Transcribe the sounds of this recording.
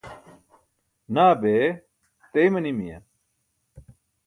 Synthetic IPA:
naːbe | t̪eimɐnimijɐ̰

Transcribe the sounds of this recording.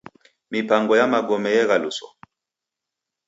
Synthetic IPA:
mipaŋɡɔjamaɡɔmɛjɛɣalusɔ̰

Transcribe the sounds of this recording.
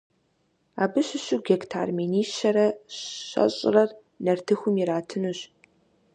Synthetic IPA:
a̰ːbɨɕɪɕuɡʲektʰa̰ːrmeniːʃɐɾɐɕɐ̰ɕʼɪ̰rɐr | nɐrtʰɨxʷʊmiɾaːtʰɨnuɕ

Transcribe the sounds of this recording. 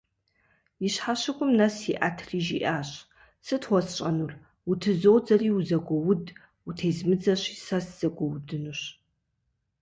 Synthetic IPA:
jɪɕħaɕɪkʷʼʊmnɐsiʔa̰tʰriːʒḭʔaːɕ | sɨtʰwʷɔsɕʼɐnur | wutʰɨzoːwd͡zɐriːuzɐɡʷɔwʊd | utʰejzmɨd͡zɐɕi̥ːsɐsz̥ɐɡʷɔwdɨnuɕ

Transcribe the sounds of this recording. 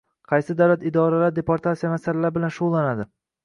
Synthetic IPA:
qʰɑjsɪd̪awlat̪ɪd̪ɒɾalaɾd̪e̞poɾt̪ʰat̪sijamasalalaɾbɪlanʃuʁlˠanad̪ɪ

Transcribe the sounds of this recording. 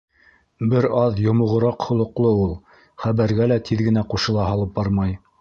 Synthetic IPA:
bɘɾɑðjŏmŏʁɤ̆ɾɑqhŏlˠŏqlˠɤulˠ | χæβæɾɡælæt̪ʰiðɡɘ̆næquʃɤ̆lˠɑɦɑlˠɤp̚bɑɾmɑj

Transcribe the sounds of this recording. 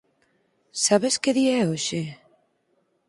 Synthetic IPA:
saβeskeðiɛoʃe

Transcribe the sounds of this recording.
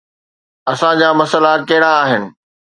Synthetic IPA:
ɐsãd͡ʑaːmɐsəlakɐɦɪɽ̃aːɦɪnɪ̆

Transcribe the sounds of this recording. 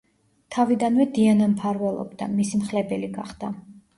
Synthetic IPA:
t̪ʰavid̪anvɛd̪ianampʰaɾvɛlˠɔ̰bd̪a̰misimχlɛbɛliɡaχd̪̥a

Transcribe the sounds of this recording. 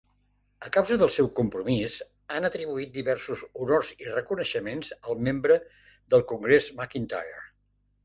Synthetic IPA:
əkawzəðəlˠsɛwkumpɾumiz | anət̪ɾiβuit̪̚d̪iβɛrsuzunorzirəkunəʃəmenzəlˠmembɾə | ðd̪əlˠkuŋɡɾezmakint̪a̰jə̰ɾ

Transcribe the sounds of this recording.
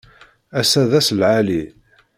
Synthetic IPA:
æsæðæslʕali

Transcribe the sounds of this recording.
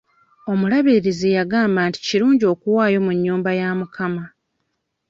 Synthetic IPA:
o̞mulaβiɾiɾizijaɡaːmbaːnti̥ciɾuːɲɟio̞ːkuwaːjo̞muɲːuːmbajamukʰama

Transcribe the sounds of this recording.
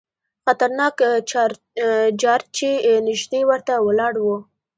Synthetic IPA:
xat̪aɾnɑk | d͡ʒɑɾt͡ʃenɪʒd̪ewəɾt̪awəlɑɽwu

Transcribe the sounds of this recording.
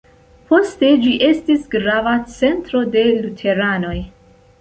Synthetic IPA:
po̞ste̞d͡ʒiʔe̞stisɡɾavat͡se̞ntɾo̞de̞lutʰe̞ɾano̞j

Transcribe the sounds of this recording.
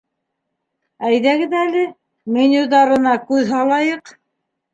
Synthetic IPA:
æjðæɡɘðælɘ | menʲuðɑɾɤ̆nɑkʉðɦɑlˠɑjɤq

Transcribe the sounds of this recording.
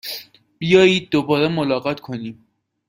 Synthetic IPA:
b̥ijɒːjiːd̪̚ːobɒːɾemolɒːɣɒt̪ʰkʰo̞niːm

